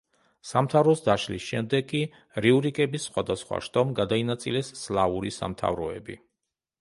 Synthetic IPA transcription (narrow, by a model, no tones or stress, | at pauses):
samt̪ʰavɾɔsd̪aʃlisʃɛmd̪ɛɡkʼːi | ɾiuɾikʼɛbisːχwad̪asχwa̰ʃt̪ʼɔmɡad̪ainat̪sʼilɛsːlˠauɾisa̰mt̪ʰa̰vɾɔɛbḭ